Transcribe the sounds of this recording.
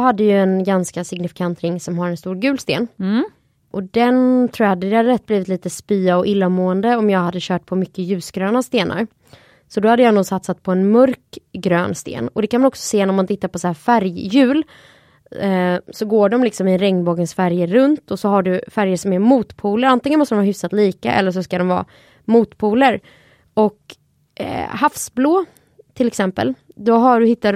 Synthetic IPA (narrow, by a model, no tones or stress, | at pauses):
had̪ːəjɵɛnɡanskasɪɡnɪfɪ̥kʰant̪ɾɪŋːsɔmɦaɾɛnst̪uːɾɡʉ̟ːlst̪ḛːn | ʔɔd̪ɛnt̪ʰɾuːjahad̪ːəd̪ɛhad̪əɾɛt̪̚ːbliːvɪt̪liːt̪əspyːaɔʔɪlːamuːənd̪əɔmjɑːɡhad̪ːəɕœːʈ̚pʰɔmʏkːəjʉ̟ːsɡɾøːnast̪eːnʔa̰ɾ | sɔd̪ɔhad̪ːəjɑːnuːɡsat̪sat̪̚pʰɔɛnmœɾkɡɾø̰ːnst̪ḛːnɔd̪ɛkʰanmanɔksɔ̥seːnæɾmant̪ʰɪt̪ːaɾpɔsahæːɾfæɾjːʉ̟ːl | sɔɡoːɖɔmlɪksɔmɪɾɛŋnboːɡənsfæɾjəɾɵnt̪ʰɔsɔɦaɖɵfæɾjəʂɔmæɾmuːt̪pʰuːləɾant̪ɪŋənmɔst̪ədɔmhɑːɦʏfsat̪liːkaʔɛ̰lːəʂ̬ɔskad̪ɔmvɑ̰ː | muːt̪pʰuːləɾ | ɔk | hafsbloː | t̪ʰɪlɛksɛmpə̰ld̪ɔɦaɖɵhɪt̪ːa